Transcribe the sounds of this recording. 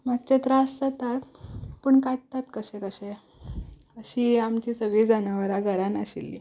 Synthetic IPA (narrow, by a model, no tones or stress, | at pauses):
mak̚t͡ɕet̪ɾasd͡zət̪at̪pəːɳkaʈ̚t̪at̪kəɕɛkəɕe | əɕiːamt͡ɕiːsəɡɭiːd͡zanəʋəɾaɡʱəɾanəɕḭlːḭ